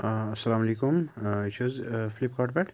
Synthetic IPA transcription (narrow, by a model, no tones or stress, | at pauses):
ɐsːɐlaːmɐlekʊmɪt͡ʃʰozflip̚kaʈ̚bɛʈ